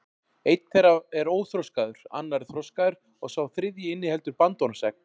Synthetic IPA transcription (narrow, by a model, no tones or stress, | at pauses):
ejt̪n̥θeɾaɛɾoːwθɾowskaðʏɾ̥a̰nːaɾθɾowskaðʏɾ̥ | ɔɣsaːwθɾɪðjɪɪnːɪhɛlt̪ʏɾpant̪ɔnsɛk̚n